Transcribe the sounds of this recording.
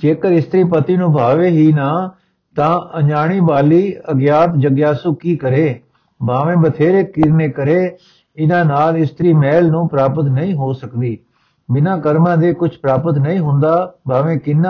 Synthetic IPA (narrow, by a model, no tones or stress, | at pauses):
d͡ʒeːkəɾɪst̪ɾiːpət̪iːnũːbʱaːʋeːɦiːnaː | t̪ãːəd͡ʒaːɽ̃iːbaːliːəɡjaːt̪d͡ʒəɡjaːsʊkiːkəɾeː | bʱaːʋẽːbət̪ʰeːɾeːkɪɾneːkəɾeː | ɪnãːnaːlɪst̪əɾiːmɛːlnũːpɾaːpət̪nəĩːɦoːsəkd̪iː | bɪnãːkəɾmãːd̪eːkʊt͡ʃʰpɾaːpət̪nəĩːɦʊ̃nd̪aːbʱaːʋẽːkɪnːa